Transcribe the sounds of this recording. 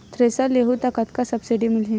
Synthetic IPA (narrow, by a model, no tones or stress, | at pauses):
t̪ɾesaleɦut̪akat̪kasəbsiɖimilɦĩ